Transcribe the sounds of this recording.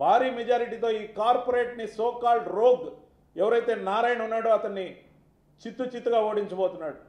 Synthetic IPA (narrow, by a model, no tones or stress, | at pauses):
bʱaːɾiːmɛd͡ʒaːɾiʈ̬iːt̪o̞ːiːkaːɾpoɾe̞ːʈnisɔːkaːlʈɾoːɡ | ɛʋɐɾɐjt̪e̞ːnaːɾaːjnɐunːaːɽoːɐt̪ɐnːi | t͡ʃit̪ːut͡ʃit̪ːuɡaːoːɽiɲt͡ʃɐboːt̪unːaːɽu